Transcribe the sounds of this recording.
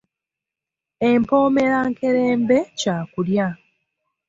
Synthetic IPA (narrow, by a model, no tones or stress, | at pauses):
empo̞ːme̞ɾaŋke̞ɾeːmbe̞caːkulja